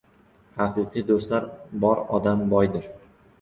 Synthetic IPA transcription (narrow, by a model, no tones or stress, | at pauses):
hɑqɨqʰɨjd̪ost̪laɾbɒɾɒd̪ambɒjd̪ɪɾ